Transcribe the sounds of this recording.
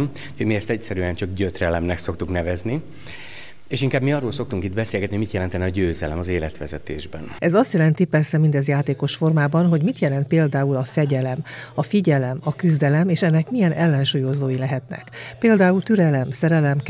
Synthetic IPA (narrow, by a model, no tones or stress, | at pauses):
m | hoɟmiɛst̪ɛcsɛɾyɛnt͡ʃɒɡɟøt̪rɛlɛmnɛkso̞kt̪uknɛvɛzni | eːʃiŋkaːbmiɒrːoːlso̞k̚t̪uŋkid̪bɛseːlɡɛt̪niomit̪jɛlɛnt̪ɛniɒɟøːzɛlɛmɒzeːlɛ̰t̪ʋɛzɛt̪ḛːʒbɛnʔɛzɒst̪jɛlɛnt̪ipɛrsɛmind̪ɛzjaːt̪eːko̞ʃfo̞rmaːbɒnɦo̞ɟmit̪jɛlɛnt̪̚peːld̪aːulɒfɛɟɛlɛmɒfiɟɛlɛmɒkyzd̪ɛlɛmeːʃɛnːɛkmijɛnʔɛlːɛnʃuːjo̞zoːjilɛɦɛt̪nɛ̰kpeːld̪aːult̪yɾɛlɛmsɛɾɛlɛm